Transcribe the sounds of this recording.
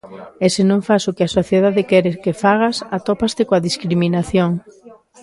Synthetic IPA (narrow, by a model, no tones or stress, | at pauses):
esɪnõŋfasʊkɪasoθjeðaðɪkɛɾɪkefaɣ̞asat̪opast̪ekoaðiskɾimĩnaθjoŋ